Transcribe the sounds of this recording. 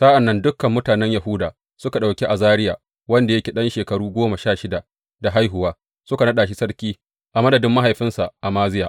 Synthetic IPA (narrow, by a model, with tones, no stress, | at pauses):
sa˦ʔa˨nːɐ˦ndʊ˦kːɐ˨mːʊ˦taː˨nɛ˦ɲja˨hʊ˦daː˨ | sʊ˦ka˨ɗa˨wkʲe˦ʔa˨zaː˦ɾɪ˦jaː˨ | wɐ˦nda˨jɐ˦kʲe˨ɗɐ˦nʃeː˨kɐ˨ɽuː˦ɡʷoː˦ma˨ʃaː˦˨ʃɪ˦da˨ | da˨ɦa˦jɦʊ˨waː˦ | sʊ˦ka˨nɐ˦ɗaː˨ʃ̬i˦sɐ˦ɽkʲiː˦ | ʔa˨mɐ˦dɐ˨dɪ˦mːa˦ɦa˨jɸɪ˦nsa˨ʔa˨maː˦zɪ˦jaː˨